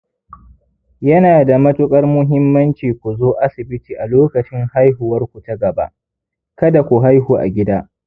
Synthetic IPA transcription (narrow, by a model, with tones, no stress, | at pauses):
jɐ˦naː˨da˨mɐ˦tʊ˦kʼɐ˦rmʊ˦ɦɪ˦mːɐ˦nt͡ʃiː˨kʷu˨zoː˦ʔa˦sɪ˨bɪ˦tiː˨ʔa˨loː˦kɐ˨t͡ʃɪ˦ŋha˦jɦʊ˨wɐ˦rkʷu˨ta˦ɡɐ˨ba̰˦ʔ | kɐ˦da˨kʷu˨ɦa˦jɦuː˨ʔa̰˨ɡʲɪ˦daː˦